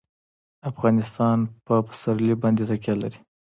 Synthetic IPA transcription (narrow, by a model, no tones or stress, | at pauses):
afɣɑnɪst̪ɑnpəpə̥saɾlibɑnd̪et̪akjɑla̰ɾi̥